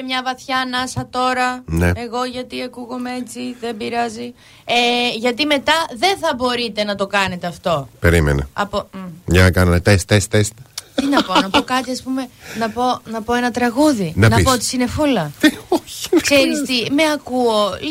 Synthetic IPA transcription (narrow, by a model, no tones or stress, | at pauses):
emɲɐvɐθçɐnɐsɐt̪o̞ɾɐneeɣo̞ʝɐt̪iɐkuɣo̞meet͡siðebiɾɐzi | eʝɐt̪ime̞t̪ɐðe̞nθɐbo̞ɾit̪e̞nɐt̪o̞kɐne̞t̪eɐft̪o̞peɾimḛnɐ̰ɐ̰poɲɐnɐkɐnɐnet̪est̪est̪est̪t̪inɐpo̞nɐpokɐt̪iɐspume̞nɐpo̞nɐpo̞e̞nɐt̪ɾɐɣuðinɐnɐpoot̪i̥sine̞folɐoç̥kseɾist̪imeɐkuo̞